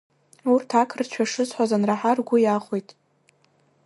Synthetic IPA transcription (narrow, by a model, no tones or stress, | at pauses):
urtʰakʰrt͡ʃʷʰaʂɨzħʷazanraħarɡʷʊjaχʷojtʼ